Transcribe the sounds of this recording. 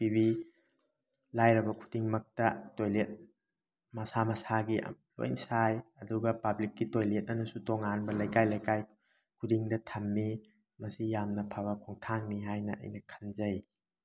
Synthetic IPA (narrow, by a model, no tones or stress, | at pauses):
pibi | lajɾɐbɐkʰu̥diŋmɐk̚tɐtojlet̚ | mɐsamɐsaɡiʔ | lo̰jnsajɐduɡɐpɐblikːitojlet̚nɐnɐsutoŋanbɐlɐjkajlɐjkaj | kʰudiŋdɐtʰɐmːi | mɐsijamnɐpʰabɐkʰɔŋtʰaŋniɦajnɐ̰ʔɐ̰jnɐkʰɐnzɐj